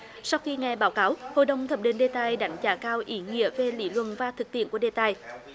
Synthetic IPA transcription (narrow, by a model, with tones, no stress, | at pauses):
sa˧wxi˧ŋa˨˩jɓaː˨˦wkaː˨˦who̰˧˨jɗə˨˩wŋ͡mt̪ʰə˨˩p̚ɗe˧˩nɗe˧t̪aː˧jɗa˨˦jŋ̟t͡ɕaː˧˩kaː˧wʔi˨˦ŋḭ˧˨əve˨˩lḭ˧˥˦lwə̰˧˨nvaː˨˩t̪ʰɨ˨˩k̚t̪ḭ˧˨əku˧˩əɗe˧t̪aː˧˨j